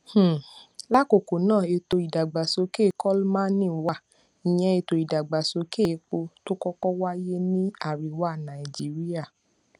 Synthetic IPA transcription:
h̩˦˨la˦ko˨ko˨nãː˦˨e˧to˧i˨da˨ɡ͡ba˨so˧˦ke˦˨kɔ˦lmã˦nĩ˦˨wa˦˨ | i˨j̃ɛ̃˧e˧to˨˧i˨da˨ɡ͡ba˨so˧˦ke˦˨˦k͡po˧to˦kɔ˦kɔ˦wa˦je˦nĩ˦a˨ɾi˨wa˦˨nã˨i˨d͡ʒi˦ɾi˦a˦˨

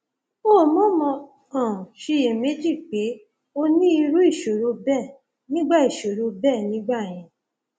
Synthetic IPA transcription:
o˦˨mɔ̃˦mɔ̃˧ | ɔ̃˨ʃi˧je˨me˨˦d͡ʒi˦˨k͡pe˨˦ | o˧nĩ˦i˧ɾu˦i˦˨ʃo˨ɾo˧bɛ˦˨ | nĩ˦ɡ͡ba˦i˦˨ʃo˨ɾo˧bɛː˦˨nĩ˨˦ɡ͡ba˦˨j̃ɛ̃˧

